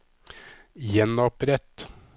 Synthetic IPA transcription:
jɛnɑpɾɛt̪

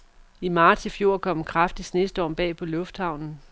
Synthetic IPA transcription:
imɑ̈ːt͡sʰifjo̝ɐ̰kʰɒ̽m̰kʰʁɑfd̥isnesd̥əɒ̰ːb̥ɛ̰ːpʰɒ̽lɔ̽fd̥hɑ̈ʊ̰nn̩

